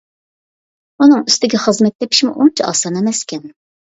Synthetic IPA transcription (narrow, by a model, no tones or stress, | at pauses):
unɨŋyst̪ɪɡʲɛχəzmɛt̪̚ʲːepʰi̥ʃmṵʔunt͡ʃʰɛɑ̰ːsɑnemɛskʲʰɛn